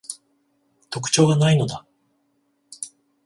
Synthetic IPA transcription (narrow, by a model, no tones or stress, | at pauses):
t̪o̞k̬ɯ̥t͡ɕo̞ːɡanaino̞d̪a